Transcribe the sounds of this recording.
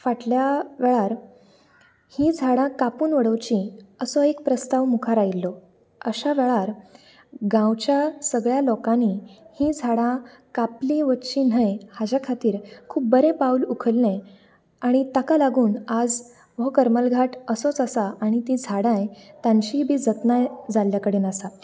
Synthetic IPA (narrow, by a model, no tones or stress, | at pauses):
faʈljaʋɛɭaɾ | hĩd͡zʱaɽãkapuːnʋəɽowt͡ɕĩəsɔekpɾəst̪aʋmukʰaɾailːɔ | əɕaʋɛɭaɾ | ɡãwt͡ɕjasəɡɭjalɔkãnihĩd͡zʱaɽã | kaplĩʋət̪t͡ɕin̤əjhad͡ʑakʰat̪iːɾkʰuːp̚bəɾẽpaulukʰəlːẽ | aɽ̃it̪akalaɡuːnad͡z | ʋɔkəɾməlɡʱaʈʰəsɔt͡səsaʔaɽ̃it̪ĩd͡zʱaɽãjt̪ãɲɕiːbʱiːd͡zət̪nad͡zaljakəɽiːnəsa